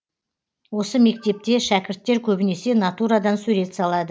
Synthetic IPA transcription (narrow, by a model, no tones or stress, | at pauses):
wo̞səme̞k̚t̪e̞p̚t̪e̞ʃækʲɪɾt̪ːe̞ɾkʲʰɵbɪne̞se̞nat̪uɾad̪ɑnsɵɾe̞t̪sɑlˠɑd̪ə